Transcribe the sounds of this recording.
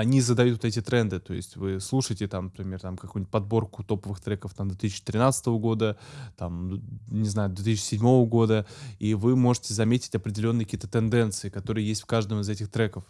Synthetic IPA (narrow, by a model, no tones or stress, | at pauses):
ɐnʲizəd̪ɐjut̪vot̪ɛtʲɪt̪ɾɛnd̪ɨt̪o̞jɪ̰sʲtʲvɨslˠuʂɨjɪtʲɪt̪amnəpɾʲɪmʲe̞rt̪amkɐkujʊnʲtʲpɐd̪̚bo̞rkʊt̪o̞pəvɨxt̪ɾɛkəft̪amd̪vʲt̪ɨis̬ʲɪt͡ɕːɪt̪ʲɾʲɪnat̪sət̪əvəɡo̞d̪ət̪amnʲɪznajʊd̪vʲet̪ɨsɪt͡ɕːɪsʲɪdʲmo̞vəɡo̞d̪əivɨmo̞ʐɨtʲɪzɐmʲetʲɪ̥tʲɐpɾʲɪdʲɪlʲo̞nːɨkɐkʲiːət̪ət̪ɨnd̪ɛnt̪sɨɪkɐt̪o̞ɾɨjəjesʲtʲfkaʐd̪əmɪzɛtʲɪxt̪ɾɛkəf